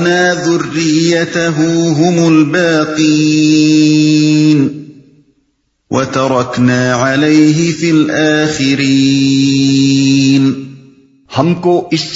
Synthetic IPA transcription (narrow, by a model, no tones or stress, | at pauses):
naːðʊrːɪjːat̪aɦʊɦʊmʊlbaːq̪i | n | wʔat̪ɑɾˤɑknaːʕalajɦɪfilʔaːxɪɾi | n | hamkoʔɪs